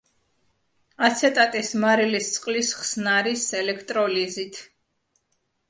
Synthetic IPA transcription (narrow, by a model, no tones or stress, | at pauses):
at̪sʰɛt̪ʼat̪ʼismaɾilist̪sʼqʼlisχsnaɾisɛlɛkʰt̪ʼɾɔlizit̪ʰ